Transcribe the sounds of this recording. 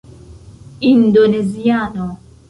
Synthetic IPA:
indonɛzijanɔ

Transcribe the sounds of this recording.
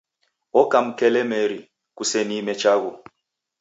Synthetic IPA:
ɔkam̩kɛlɛmɛɾi | kusɛnimɛt͡ʃaɣu

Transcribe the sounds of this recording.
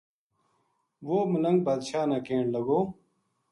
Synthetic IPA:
ʋoːməlɐ̃ŋɡ̚baːd̪ʃaːnaːkẽːɳɖlɐɡoː

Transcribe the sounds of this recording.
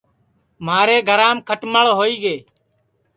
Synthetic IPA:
m̤aːɾeːɡʱəɾãːmkʰəʈməɭɦoːiːɡeː

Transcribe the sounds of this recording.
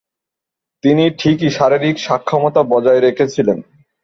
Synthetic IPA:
t̪iniʈʰikiʃaɾiɾikʃakʰːɔmot̪abɔd͡ʑaeɾekʰet͡ɕʰilen

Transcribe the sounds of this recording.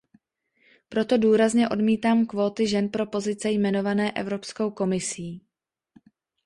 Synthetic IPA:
pɾo̞t̪o̞duːɾazɲɛʔo̞dmiːt̪aːmkvo̞ːt̪ɪʒɛnpɾo̞po̞zɪt͡sɛjmɛno̞vanɛːʔɛ̰vɾo̞pskowko̞mɪsiː

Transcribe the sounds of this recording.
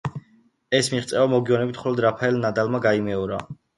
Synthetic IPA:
ɛsmiʁt̪sʼɛvamɔɡiɔnɛbit̪ʰχɔlɔd̪ɾapʰaɛlnad̪almaɡaimɛɔɾa

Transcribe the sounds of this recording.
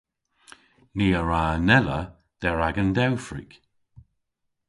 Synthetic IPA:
niːəɹaːnɛlə | d̥ɛɹaɡənd̪ɛwfɹḭk

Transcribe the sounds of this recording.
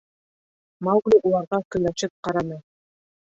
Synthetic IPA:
malɡlʲuʔulˠɑɾʁɑkynɑt͡ʃɯp̚qɑɾɑnɯ

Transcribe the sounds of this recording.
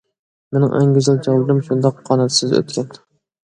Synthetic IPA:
menɪ̰ŋʔæ̰ŋɡʲizɨlˠd͡ʒɑlˠːɨɾɨmʃund̪ɑqʰːɑnɛt̪sɨzø̰t̪kʲɛn

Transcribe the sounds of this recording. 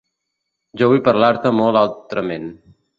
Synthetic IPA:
d͡ʒowipəɾlaɾt̪əmolalt̪ɾəmen

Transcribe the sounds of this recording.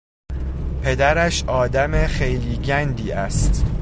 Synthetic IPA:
pʰe̞d̪æɾæʃʔɒːd̪æmexejliːɟænd̪iːæst̪

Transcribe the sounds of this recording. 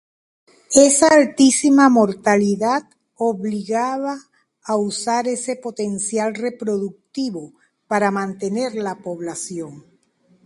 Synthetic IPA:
e̞saːlt̪isimamo̞ɾt̪aliðað | oβliɣaβaː | usaɾe̞se̞po̞t̪e̞nsjalre̞pɾo̞ðuk̚t̪iβo | paɾamãnt̪e̞ne̞ɾlapo̞βlasjo̞ŋ

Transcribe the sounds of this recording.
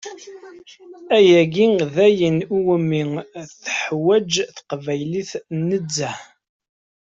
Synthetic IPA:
æjæɡiðæjənuwəmiθəħwæd͡ʒθqvæjliθnəd͡zːæ

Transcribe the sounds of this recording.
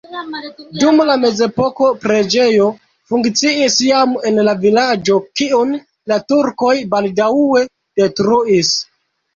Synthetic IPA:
dumlame̞ze̞po̞ko̞pɾe̞d͡ʒe̞jo̞ | fuŋkt͡siisjame̞nlavilad͡ʒo̞kiun | latuɾko̞jbaldawe̞ | d̥e̞tɾuis

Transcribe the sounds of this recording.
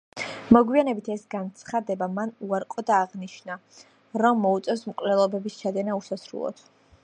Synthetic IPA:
mɔɡwianɛbit̪ʰɛsɡant̪sʰχad̪ɛbamanuaɾqʼɔd̪aːʁniʃna | ɾɔmːɔut̪sʼɔsmkʼlɛlˠɔbɛbist͡ʃʰad̪ɛnausasɾṵlˠɔ̰t̪ʰ

